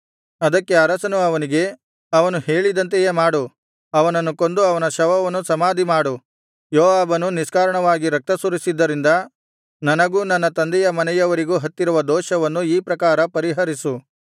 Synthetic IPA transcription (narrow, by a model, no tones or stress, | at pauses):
ɐd̪ɐkːe̞ɐɾɐsɐnuɐʋɐniɡe̞ | ɐʋɐnuheːɭid̪ɐnt̪ejeːmaːɽu | ɐʋɐnɐnːukond̪uɐʋɐnɐʃɐʋɐʋɐnːusɐmaːd̪ʱimaːɽu | jɔːʋaːbɐnuniskaːɾɐɳɐʋaːɡiɾɐk̚t̪ɐsuɾisid̪ːɐɾind̪ɐ | nɐnɐɡuːnɐnːɐt̪ɐnd̪ɛjɐmɐnɛjɐʋɐɾiɡuːɦɐt̪ːiɾuʋɐd̪ɔːʃɐʋɐnːuiːpɾɐkaːɾɐpɐɾiɦɐɾisu